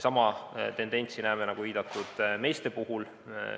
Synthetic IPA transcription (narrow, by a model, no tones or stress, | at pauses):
sɑmɑt̪e̞nd̪̥e̞nʲt̪sinæːmenɑɡ̥uviːd̪̥ɑt̪ːˑud̪̥me̞ːst̪e̞puɦul